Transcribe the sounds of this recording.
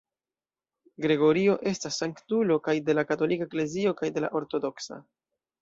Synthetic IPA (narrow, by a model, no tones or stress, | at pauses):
ɡɾe̞ɡo̞ɾio̞ʔe̞stasːaŋktulo̞kajde̞lakato̞likaekle̞zio̞kajde̞la̰ʔo̞ɾto̞do̞ksa̰